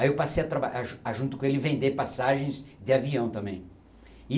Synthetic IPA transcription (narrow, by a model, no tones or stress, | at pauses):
aiewpasejat̪ɾabaaaʒũnt̪ʊkõelɪvẽnd̪epasaʒẽj̃zd̪ɪaviɐ̃w̃t̪ɐ̃mbẽj̃